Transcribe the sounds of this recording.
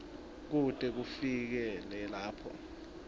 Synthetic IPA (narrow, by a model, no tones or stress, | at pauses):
k̬utʼɛk̬ufik̬ɛlɛlaːpʰɔ̰